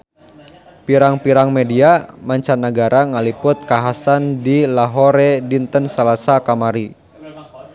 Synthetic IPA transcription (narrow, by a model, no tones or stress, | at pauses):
piɾaŋpiɾaŋmediamaɲt͡ʃanːaɡaɾaŋalipʊt̪̚kaɦasandilaɦoɾɛdint̪ənsalasakamaɾi